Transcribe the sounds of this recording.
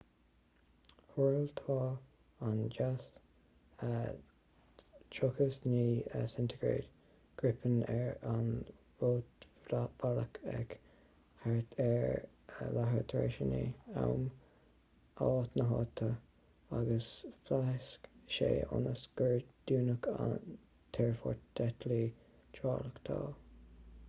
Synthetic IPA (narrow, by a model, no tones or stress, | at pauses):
huɹlt̪ʰɑː | and͡ʒas | ə | t͡ʃʰʊkəsniːəsɪnt̪ʰəɡɹḛːd̪ | ɡ̥ɹɪpʰənɛɹan | voːt̪valəkʰɛ̰ɡ | haɹət̪ʰɛɹ | laɦəɹt̪ʰḛʃənḭa̰wm | ɑːt̪nəɦɑt̪ʰːə | aɡəsflaskʃḛːʔʊ̰nəsɡ̥əɹd̪̥uːnəkʰa̰n | t̪ʰɛɹfɔɹtd̪̥ɛt̪ʰli | t͡ʃʰɑːləkt̪ʰɑː